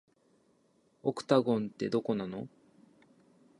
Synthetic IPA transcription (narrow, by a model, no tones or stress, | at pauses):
okɯ̟̥t̪aɡõ̞nt̪ːe̞d̪o̞ko̞nano̞